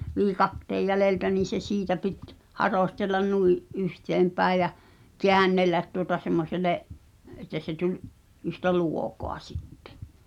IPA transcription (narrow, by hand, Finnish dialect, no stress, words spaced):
ʋiːkɑtːeːj jæleltæ niːn̞ se siːtæ pit hɑroˑstelːɑn nuiʔ ʔyhteːmpæi̞j̆ jæ keænːelːæt tuotɑ semːoseleʔ etˑæ se tulʲʔ yhtæ luokoɑ sitːe̥